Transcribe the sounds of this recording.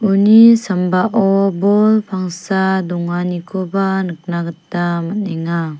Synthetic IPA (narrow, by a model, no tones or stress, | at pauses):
unisambaʔɔbɔlpʰaŋsadɔŋanikʰɔbanɯk̚naɡɯt̚ːamateŋa